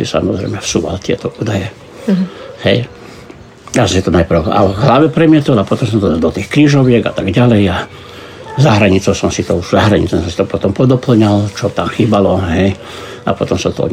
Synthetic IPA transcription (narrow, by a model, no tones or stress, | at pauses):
sḭsa̰mɔzɾɛ̰jmɛfsuːʋa̰lt̪ɪɛ̰t̪ɔʔuːd̪ajɛ | hɛj | jasɔ̃msit̪ɔnajpr̩ʊa̰ɦlaʋɛpɾɛmɪɛt̪ɔlapɔt̪ɔmsɔmt̪ɔd̪d̪ɔt̪iːxkɾiːʒɔʋɪɛɡa̰t̪aɡɟalɛja | zaɦɾaɲit͡sɔʊsɔmsit̪ɔuʒzaɦɾaɲḭt͡sɔsɔ̃msi̥t̪ɔpɔt̪ɔmpɔd̪ɔpl̩ɲalt͡ʃɔt̪amxiːbalɔɦɛj | a̰pɔt̪ɔmsat̪ɔɔ̰